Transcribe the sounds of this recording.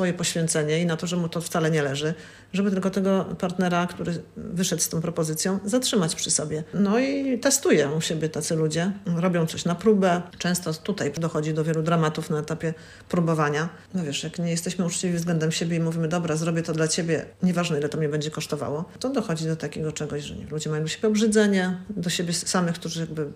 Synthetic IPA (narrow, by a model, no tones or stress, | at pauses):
sfɔjɛpɔɕfʲjɛ̃nt̪sɛɲɛinat̪ɔʐɛmut̪ɔft̪salɛɲɛlɛʐɘ | ʐɛbɘt̪ɘlkɔt̪ɛɡɔpaɾt̪nɛɾakt̪uɾɘvɘʂɛt̪st̪ɔ̃w̃pɾɔpɔzɘt̪sʲjɔ̃zatʂɘmat͡ɕpʂɘsɔbʲjɛnɔit̪ɛst̪ujɛɕebʲjɛt̪at̪sɘlud͡ʑɛɾɔbʲjɔ̃w̃t̪ɔɕnapɾubɛt͡ʂɛ̃w̃st̪ɔt̪ut̪ajd̪ɔxɔd͡ʑid̪ɔvʲjɛlud̪ɾamat̪ufnaɛt̪apʲjɛ | pɾubɔvaɲa | nɔvʲjɛʂjakɲɛjɛst̪ɛɕmɘut͡ʂt͡ɕivʲivzɡlɛnd̪ɛmɕebʲjɛimuvʲimɘd̪ɔbɾazɾɔbʲjɛt̪ɔd̪lat͡ɕebʲjɛ̰ɲɛvaʐnɛilɛt̪ɔmɲɛbɛɲd͡ʑɛkɔʂt̪ɔva̰wɔt̪ɔd̪ɔxɔd͡ʑid̪ɔt̪akʲeɡɔt͡ʂɛɡɔɕʐɛ̰ɲɛ̰lud͡ʑɛmajɔ̃ɕebʲɛɔbʐɘd̪zɛɲɛd̪ɔɕebʲɛsamɘxkt̪uʐɘjaɡ̚bɘ